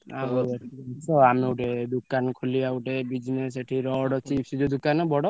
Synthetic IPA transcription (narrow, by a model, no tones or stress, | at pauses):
aeʈisɔamiuʈed̪ukanɔkʰulijauʈebid͡ʒnes̬eʈʰiɾɔɽɔt͡ʃipsɔd͡ʒud̪ukanɔbɔɽɔ